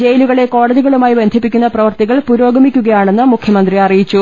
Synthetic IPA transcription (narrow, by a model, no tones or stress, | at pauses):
d͡ʑe̞jluɣɐɭe̞ko̞ːɽɐðiɣɐɭumaːjibend̪ʱipːikʲːunːɐprɐʋɐrt̪iɣɐɭpuɾo̞ːɡɐmikʲːuɣɐjaːɳe̞nːɨmukʰjɐmɐnd̪riɐrijit͡ɕːu